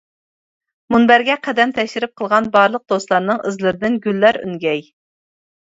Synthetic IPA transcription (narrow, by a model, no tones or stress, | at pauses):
munbæɾɡʲɛqʰæd̪ɛnt̪ʰɛkʲʃɪɾɪp̚qʰəlˠʁɑnbɑɾlˠəq̚d̪̥oslˠɑɾnɨŋɨzlˠɨɾɨd̪ɪnɡʲylːæɾy̰nɡʲɛj